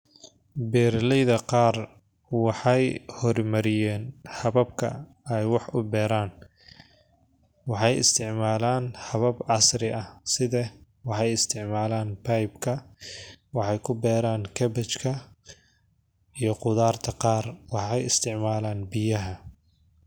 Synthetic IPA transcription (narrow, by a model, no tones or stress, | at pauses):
bɛːɾlɛjðɐqɑːr | wɑħɑjhɔrmɐɾɪjɛːnhɐβɐb̚kʰɐ̰ | ɛjwɑħʊbɛːɾaːn | wɑħɑjɪ̰st̪ʰɪʕmaːlaːnhɐβɐbʕɑsrɪʔɐsɪðɛ | wɑħɑjɪst̪ʰɪʕmaːlaːnpʰɐjbkʰɐ | wɑħɑjkʰʊbɛːɾaːnkʰɐbɛt͡ʃkʰɐ | ijɞqʊðaːrt̪ʰɐqɑːrwɑħɑjɪst̪ʰɪʕmaːlaːnbɪjɐɦɐ